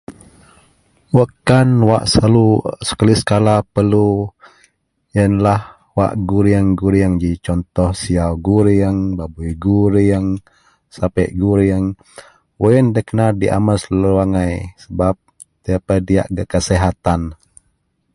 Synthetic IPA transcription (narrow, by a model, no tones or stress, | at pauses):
wəkanwa̰ʔsalusə̥kalisə̥kalapəlu | jənlah | wa̰ʔɡuɾiəŋɡuɾiəŋd͡ʒit͡ʃɔnt̪ɔhsiawɡuɾiəŋbabujɡuɾiəŋ | sapɛʔɡuɾiəŋ | woəndəkənadiʔa̰məsləwaŋajsəbap̚ | t̪iapədia̰ʔkəkəsɛɦat̪an